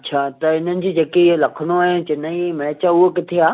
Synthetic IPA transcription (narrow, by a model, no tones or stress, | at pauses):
ɐtt͡ɕʰaːt̪ɐɪn̤ənɪ̆d͡ʑiːd͡ʑeːkelɐkʰəɽ̃oɦɪnt͡ɕɪnaimɪɭt͡ɕaʊɦokɪt̪ʰeaː